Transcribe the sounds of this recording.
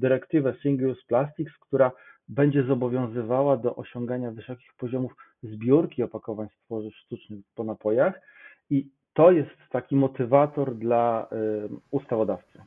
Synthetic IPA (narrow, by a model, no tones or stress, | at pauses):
d̪ɘɾɛkt̪ɘvɛsiŋɡlusplast̪ʲikskt̪uɾabɛɲd͡ʑɛzɔbɔvʲjɔ̃w̃zɘvawad̪ɔʔɔɕɔŋɡaɲavɘsɔkʲixpɔʑɔmuf | zbʲjuɾkʲiɔpakɔvaɲst̪fɔʐɘfʂt̪ut͡ʂnɘxpɔnapɔjax | i | t̪ɔjɛst̪ːakʲimɔt̪ɘvat̪ɔɾd̪la | ust̪avɔd̪aft̪sɨ